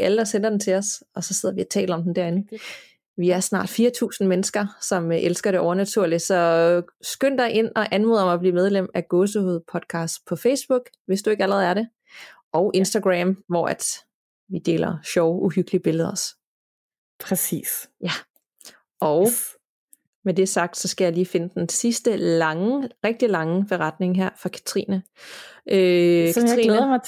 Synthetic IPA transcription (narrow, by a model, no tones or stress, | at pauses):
æləd̥ɒsen̰ɐd̥en̩t͡sʰe̝ɒ̽sɒ̽sɒ̽se̝ð̞̰ˠɐʋiæt͡sʰɛ̰ːləɒ̽md̥en̩d̥æɐ̰e̝n̩ | ʋiæɐsnɑ̰̈ːd̥fiːɐt͡sʰṵːsn̩menəsɡ̥ɐsɒ̽mʔelsɡ̥ɐɾ̥e̝ɒʊɐnæt͡sʰuɐlid̥sɒ̽sɡ̥øn̰d̥ɑ̈ɪʔe̝n̰ɒ̽ʔænmo̝ðˠmb̥lḭːmeð̞ˠlem̰æɡ̥oːsəhuðˠpʰɒ̽d̥kʰɑ̈ːsd̥̚pʰɒ̽feɪsb̥uɡ̥ | ʋe̝sd̥ue̝ɡ̥æləʁɛð̩ˠæɐɾe̝ | ʔɒʊʔe̝nsd̥æɡ̥ʁɛmʋɒ̰æd̥ | ʋid̥e̝̰ːlɐɕɒʊʔuhyɡ̥əliəb̥e̝ləð̞ˠɒs | pʰʁɛsḭːsjæ | ɒʊ | med̥e̝sɑ̈ɡ̥̚d̥sɒ̽sɡ̥æjɑliːfe̝nəd̥ensisd̥əlɑ̈ŋəʁɛɡ̥̚d̥ilɑ̈ŋəb̥e̝ʁɑ̈d̥ne̝ŋɦeɐ̰fɑ̈kʰæ̥t͡sʰʁḭnə | kʰæt͡sʁḭlːðˠm